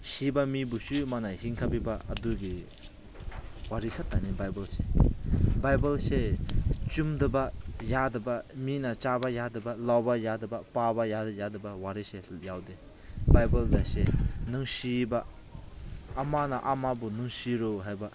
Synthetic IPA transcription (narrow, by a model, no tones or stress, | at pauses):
sibamibusumanahiŋkʰapibaɐduɡi | waɾikʰat̚ːanibajbɐlse | bajbalset͡ʃumdɯbajadɐbaminat͡ʃabajadɯbalawbajadɯbapabajajadɯbawaɾisejawde | bajbɐldasenɯŋsiba | manaʔamabunɯŋsiɾoɦajba